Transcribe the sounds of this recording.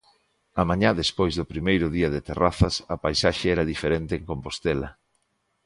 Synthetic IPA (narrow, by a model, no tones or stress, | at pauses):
ɐmãɲaðespojzðʊpɾimejɾʊðiɐðet̪eraθɐsɐpajsaʃeɛɾɐðifeɾent̪eːŋkompost̪ɛlɐ̰